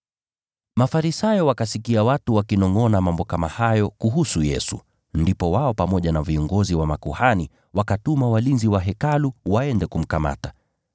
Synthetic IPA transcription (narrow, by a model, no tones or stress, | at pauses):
mafaɾisajɔwakasikiawatuwakinɔŋɔnamambɔkama̰hajɔkuɦusujɛ̰sṵ | ndipɔwaɔpamɔʄanaviɔŋɡɔziwamakuhani | wakatumawalinziwaɦɛkaluwaɛndɛkum̩kama̰ta